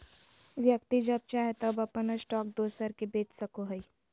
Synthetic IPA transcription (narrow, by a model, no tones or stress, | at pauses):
ʋjək̚t̪id͡ʒɐb̚t͡ʃaːɦet̪ɐbɐpənəsʈɔːk̚d̪oːsəɾkebeːt͡ʃsɐkoɦəi